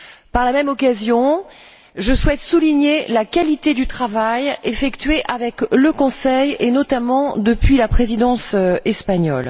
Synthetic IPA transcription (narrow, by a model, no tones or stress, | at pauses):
paʁlamɛmɔkazjɔ̃ | ʒəswɛt̪suliɲelakʲalit̪ed̪yt̪χavajefɛkt̪ɥeʔavɛkləkɔ̃sɛjenɔt̪amɑ̃d̪əpɥilapχezid̪ɑ̃sɛspaɲɔ̰l